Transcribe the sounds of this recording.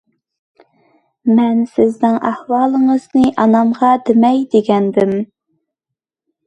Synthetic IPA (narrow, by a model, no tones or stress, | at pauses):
mɛnsɪznɪŋʔæ̰hwɑːlˠəŋəz̥nɨʔɑnɑmʁɑd̪ɪmɛjd̪eɡʲɛnd̪ɪm